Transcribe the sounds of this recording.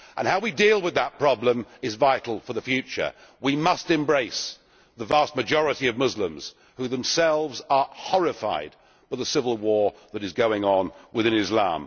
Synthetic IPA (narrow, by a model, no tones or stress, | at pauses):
ʔə̰̃nhaʊwidilˠwɨðət̚pʰɹ̥ɑblə̃mɨzvaɪɾl̩ˠfə˞ðɨfjʉt͡ʃə̰˞ | wimʌstɨ̃mbɹeɪs | ðəvæst̚mɨd͡ʒɔɹɨɾiʌvmʊzlə̃mz̥ | hʉðɨ̃msɛlˠvzə˞hɔɹɨfa̰ɪd̚ | baɪðəsɪvl̩ˠwɔɹðɨɾɨzɡoʊɪ̃ŋə̃nwɨðɪ̃nɨzlæ̰̃m